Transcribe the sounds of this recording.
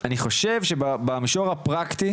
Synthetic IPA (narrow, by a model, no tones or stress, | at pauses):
aniχo̞ʃe̞vʃebabamiʃoʁapʁakt̪i